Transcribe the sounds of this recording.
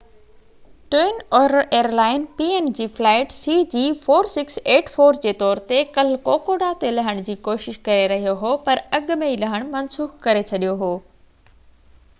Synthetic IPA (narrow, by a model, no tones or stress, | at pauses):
ʈeːɪnɔːɾəɾʔeːəɾlaːɪnpiːeːnd͡ʑiːflaːɪʈsiːd͡ʑiːfoːɾsɪkseːʈfoːɾd͡ʑeːt̪ɔːɾt̪ekɐl̤koːkoːɖat̪elɐɦəɽ̃d͡ʑiːkoːʃɪʃkɐɾeɾɐɦijoɦopɐɾɐɠʊ̆mẽilɐɦəɽ̃mɐnsuːxkɐɾet͡ɕʰɐɗijoɦoː